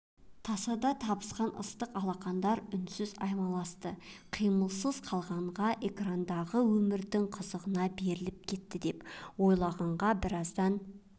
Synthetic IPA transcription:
t̪ʰɑsɑd̪ɑt̪ʰɑbə̥sqɑnʔə̰st̪əqɑlˠɑqɑnd̪ɑɾʏnsɪzɑjmɑlˠɑst̪əqʰijməlˠsəzqʰɑlˠʁɑɴʁɑʔe̞krand̪ɑʁəwɵmɪɾd̪ɪɴqʰəzəʁənɑbe̞ɾɪlɪp̚kʲʰe̞t̪ːɪd̪e̞pwo̞jlˠɑʁɑɴʁɑbɪɾɑzd̪ɑn

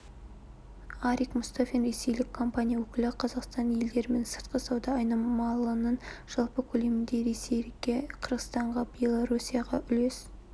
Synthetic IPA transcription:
ɑɾikmʊst̪afʲinɾe̞se̞jlɪkʰːo̞mpanʲijawɵkʲɪlɪqʰɑzɑqst̪ɑnje̞ld̪e̞ɾɪme̞nsə̥ɾt̪qəsɑwd̪ɑːjnɑmɑlˠənənʒ̥ɑlˠpəkʲʰɵle̞mɪnd̪e̞ɾe̞sejɡʲeqʰəɾʁət̪ɑɴʁɑbʲje̞lˠoɾusʲijɑʁɑʔʏle̞s

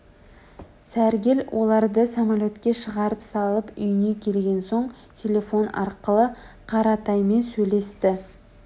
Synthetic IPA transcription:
sæɾɡʲelwʔo̞lˠɑɾd̪əsamalʲo̞t̪kʲe̞ʃəʁɑɾəpsɑlˠəpʏjnekʲʰe̞lɡʲe̞nso̞ɴ | t̪ʲʰe̞lʲe̞fo̞nɑ̰ɾqəlˠəqʰɑɾɑt̪ɑjme̞nsɵjle̞st̪ɪ

